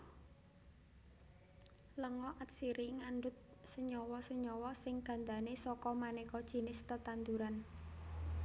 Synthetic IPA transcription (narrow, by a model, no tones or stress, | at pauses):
ləŋɔʔət̪̚siɾiŋaɳɖʊt̪̚səɲɔwɔsəɲɔwɔsɪŋɡ̥ä̤nd̪anesɔkɔmanekɔd̥ʒ̥i̤nɪst̪ət̪and̪uɾan